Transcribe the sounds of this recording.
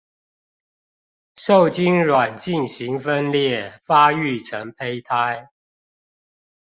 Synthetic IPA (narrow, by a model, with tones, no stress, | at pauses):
ʂo˥˨˩ʊt͡ɕi˦nɻwa˨˩nt͡ɕi˥˨nɕi˨˦˥ŋfə˦nljɛ˥˨fa˦˥y˥˨ʈ͡ʂʰə˧˦ŋpʰe˥ɪt̪ʰa˦ɪ